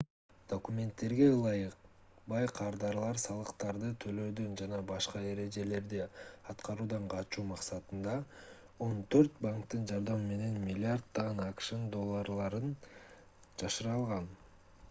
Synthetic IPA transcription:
d̪̥o̞kumʲe̞nt̪ːe̞ɾɡe̞lˠɑjɯq | bɑjqʰɑɾd̪ɑɾlˠɑɾsɑlˠɯqt̪ɑɾd̪ɯt̪ʰø̞lø̞ːd̪ønd͡ʒɑnɑbɑʃqɑe̞ɾe̞d͡ʒe̞le̞ɾd̪iɑt̪qɑɾuːd̪ɑɴqʰɑt̪t͡ʃuːmɑqsɑt̪ɯnd̪ɑ | o̞nt̪ʰøɾt̪̚baŋkt̪ɯnd͡ʒɑɾd̪ɑmɯme̞ne̞nmʲilʲːɪard̪ːɑʁɯnɑkʃɯnd̪o̞lˠːaɾlˠɑɾɯn | d͡ʒɑʃɯɾɑlˠʁɑn

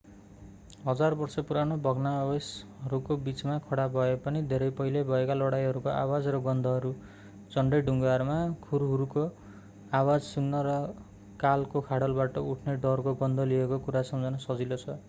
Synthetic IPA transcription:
ɦʌd͡zarbʌrsʌpuɾanobʱʌɡnabesɦʌɾukobit͡smakʰʌɽabʱʌepʌnid̪ʱeɾʌjpʌɦilebʱʌekalʌɽajɦʌɾukoʔa̰wad͡zrʌɡʌnd̪ʱʌɦʌɾu | d͡zʌɳɖʌjɖʱuŋɡarmakʰuɾuɦuɾuko | awad͡zsunːʌɾʌ | kalkokʰaɽʌlbaʈʌuʈʰneɖʌrkoɡʌnd̪ʱʌliekokuɾasʌmd͡zʱʌnʌsʌd͡zilot͡sʰʌ

